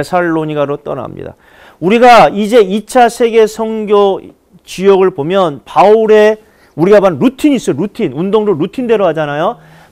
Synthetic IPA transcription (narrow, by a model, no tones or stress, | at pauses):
esʰaɭːoɲiɡaɾot͈ʌ̰na̰mɲḭda̰ | uɾiɡaid͡ʑe̞it͡ɕʰasʰe̞ɡe̞sʰʌŋɡjo | t͡ɕujʌɡɯɭbomjʌnpauɾe̞ | uɾiɡabanɾutʰiɲis͈ʌoɾutʰinundoŋɾoɾutʰinde̞ɾoɦad͡ʑanajo